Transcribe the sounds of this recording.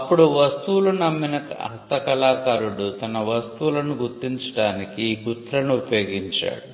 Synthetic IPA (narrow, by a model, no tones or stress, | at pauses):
ɐpːuɽuʋɐst̪uwlunɐmːinɐkɐɐ̰ɦɐst̪ɐkɐlaːkaːɾuɽut̪ɐnɐʋɐst̪uulɐnuɡuɾt̪ːiɲt͡ʃɐ̥ɽaːnikiːkut̪ɾɐnuupɐjoːɡiɲt͡ʃa̰ːɽu